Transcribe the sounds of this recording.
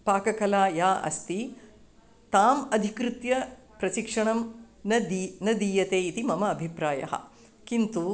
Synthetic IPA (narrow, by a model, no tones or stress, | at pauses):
paːkɐkɐlaːjaːʔɐ̰st̪i | t̪aːmɐd̪ʱikɾut̪jɐ | pɾɐʃikʂɐɳɐm | ɐd̪nɐd̪iːjɐt̪eːit̪imɐmɐːbʱipɾaːjɐ̰ɦɐ̰ | kint̪u